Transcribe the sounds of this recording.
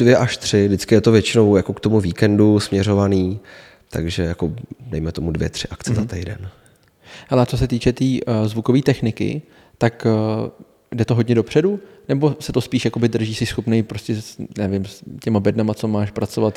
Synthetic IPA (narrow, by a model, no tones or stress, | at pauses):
dvjɛʔaʃt̪r̝̥ɪdɪt͡skɪjɛt̪ovjɛt͡ʃɪno̞wjako̞kt̪o̞muviːkɛndusmɲɛɾo̞vaniː | t̪aɡʒɛjakodɛjmɛt̪o̞mudvjɛt̪r̥ɪʔakt͡sɛzat̪ɛjdɛ̰n | hɛlɛt͡so̞s̬ɛt̪iːt͡ʃɛt̪iːzvuko̞viːt̪ɛxnɪkɪ̰ | t̪ak | dɛt̪oɦodɲɛdo̞pr̝̥ɛdu | nɛbo̞sɛt̪o̞spiːʃjako̞bɪd̪r̩ʒiːsɛsxo̞pnɛjpɾoscɛsnɛvɪmscɛmabɛdnamat͡so̞maːʃpɾat͡so̞vat̪